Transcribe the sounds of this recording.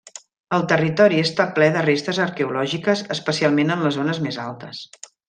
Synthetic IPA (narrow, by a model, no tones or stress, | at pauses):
əlˠt̪ərit̪ɔɾiəst̪aplɛðərest̪əzəɾkəulɔʒikəzəspəsialˠmenənləzonəzmezalˠt̪əs